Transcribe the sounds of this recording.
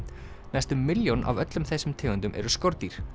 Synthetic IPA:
najst̪ʏmːɪljonʔa̰vœt̪lʏmθɛsːʏmt̪ʰɪːɣʏnt̪ʏmʔɛ̰ɾʏskoɾt̪iɾ̥

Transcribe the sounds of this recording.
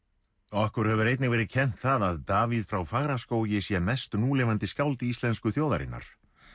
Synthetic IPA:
ɔahkʏɾ̥hɛvʏɾejt̪nɪɣvɛːɾɪðcʰɛn̥t̪θaðaðt̪aːviðfɾawfaɣɾaskoːwjɪsjɛmɛst̪nuːlɪvant̪ɪskawlt̪ɪist̪lɛnskʏθjowða̰ɾɪ̰nːa̰ɾ̥

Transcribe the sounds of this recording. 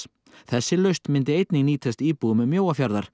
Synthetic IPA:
θɛsːɪlœɥst̪mɪnt̪ɪejt̪niŋniːt̪ʰɛst̪iːpuɣʏmʏmːjoːwafjaɾðaɾ̥

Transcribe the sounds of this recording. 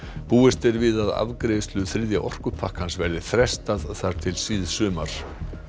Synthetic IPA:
puːɪst̪ɪɾvɪðaða̰vkɾeːst̪lʏθɾɪðja̰ʔɔr̥kʏpʰahkansvɛɾðɪθɾɛst̪aðθaɾ̥t̪ʰɪlsiːðsʏːmaɾ̥

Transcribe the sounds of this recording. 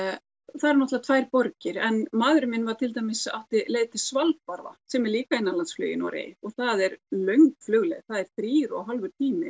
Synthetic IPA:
θaðɾnɔht̪lat̪ʰvaːjɾpɔɾcɪɾɛnmaːðɾʏmɪnvaɾt̪ʰɪlt̪ajmɪsa̰ht̪ɪleːjðt̪ɪsvalt̪̚paɾva̰sɛmɛɾliːkainːalansflœ̰jɪ̰nɔ̰wɾḛjɔɣθaðɛɾlœɥŋkflœɣlɛ̰ðθaðɛɾ̥θɾiːɾɔ̰ɣɦalvʏɾ̥t̪ʰiːmɪ̰

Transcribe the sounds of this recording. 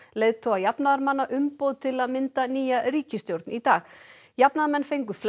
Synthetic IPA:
leːjðt̪ʰowajapnaðaɾmanːaʔʏmpowðt̪ʰɪlaðmɪnt̪aniːjaɾiːcɪst̪jowɾt̪nit̪aːx | japnaðmɛnːfejŋkʏfl

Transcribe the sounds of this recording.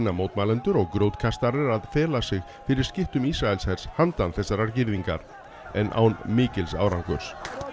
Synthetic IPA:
nːamowt̪maːlɛnt̪ʏɾɔɣkɾowt̪kʰast̪aɾɛɾaðfɛːlasɪɣ | fɪɾɪɾ̥scɪht̪ʏmisɾaɛlshɛɾ̥shant̪anθɛsːaɾaɾcɪɾðiŋka̰ɾ | ɛnʔa̰wnmiːcɪlsa̰ːwɾawŋkʏɾ̥s

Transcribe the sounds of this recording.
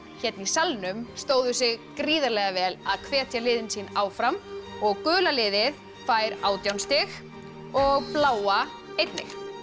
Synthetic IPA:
çɛt̪̚nisalnʏmst̪oːwðʏsɪɣkɾiːðaɾlɛɣavɛːlaðkʰvɛːt̪ʰjalɪːðɪnsiːnaːwfɾamɔɣkʏːlalɪːðɪð | faːjɾaːwt̪jawnst̪ɪx | ɔɣplaːwa | ejt̪nɪ̰x

